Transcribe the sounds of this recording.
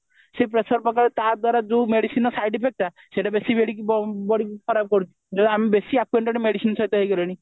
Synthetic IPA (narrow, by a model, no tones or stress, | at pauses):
sepɾesɔɾpɔkaɾet̪aɾd̪waɾad͡ʒomeɽisinɔsajɖipʰek̚ʈa | seʈabesibeɽikibɔɽikkʰɔɾab̚kɔɾut͡ʃʰi̥d͡ʒɔd̪iamibesiakweɳʈeɳʈmeɽisinsɔjt̪eɦejɡɔɾiɽ̃i